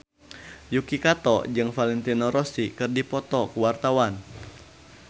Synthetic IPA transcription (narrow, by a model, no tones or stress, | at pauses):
jukikat̪ɔd͡ʒɨŋfalɛnt̪inɔɾɔsikɨrdipɔt̪ɔkuwart̪awan